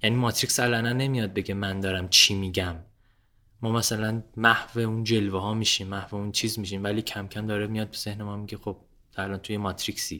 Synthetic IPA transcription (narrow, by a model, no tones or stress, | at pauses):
jæniːmɒːt̪ʰɾicsælɒnænːe̞mijɒd̪̚be̞ɟemænd̪ɒːɾæmt͡ʃʰiːmiːɟæmː | ɒːmæsælænmæhveund͡ʒe̞lveɦɒːmiːʃiːmːæhveunt͡ʃʰiːzmiːʃ̬iːmvæliːkcʰæmcʰæmd̪ɒːɾemijɒd̪̚bez̥ehne̞mɒmiɟe̞xo̞b̥̚ | ælɒnt̪ʰujemɒːt̪ʰɾiksiː